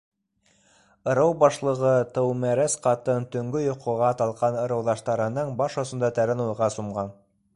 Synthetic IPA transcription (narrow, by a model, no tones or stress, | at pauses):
ɤ̆ɾɤwbɑʃlˠɤ̆ʁɤt̪ɤwmæɾæsqɑt̪ɤnt̪ɵ̆ŋɡɵjŏqʰŏʁɑt̪ɑlˠqɑnɤ̆ɾɤ̆wðɑʃt̪ɑɾɤ̆nɤɴbɑʃɑ̆sɤ̆nd̪ɑt̪æɾɘnujʁɑsumʁɑn